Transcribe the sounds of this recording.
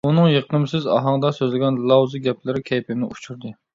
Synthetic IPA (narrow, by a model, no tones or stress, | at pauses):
unɨŋjeqʰɨmsɪzɑ̰ɦɑŋd̪ɑsøzlɪɡʲɛnlˠɑwzɨɡʲɛpʰlɪɾɪkʲʰɛjpʰɪmnɪʔut͡ʃʰuɾd̪ɨ